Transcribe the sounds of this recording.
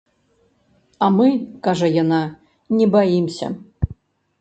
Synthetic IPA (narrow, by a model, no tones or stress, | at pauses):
amɨkaʐɐjana | nʲɛbajimsʲɐ̰